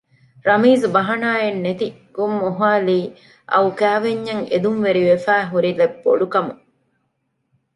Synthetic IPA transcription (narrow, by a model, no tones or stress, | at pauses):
ɾɐmiːzbɐɦɐnaːenːet̪i | ɡ̥umːuɦaːliː | ʔɐ̰ukæːʋeɲːɐŋḛd̪umʋeɾiʋefæːɦuɾilebːo̰ɖukɐmu